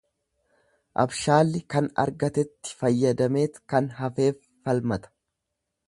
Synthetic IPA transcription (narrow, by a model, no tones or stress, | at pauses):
ʔɐ̰bʃaːlːɪkɐnɐ̰ɾɡɐt̪ɛt̪ːɪ̥fɐjːɐd̪ɐme̞ːt̪kɐnɦɐfe̞ːfːɐlmɐt̪ɐ̥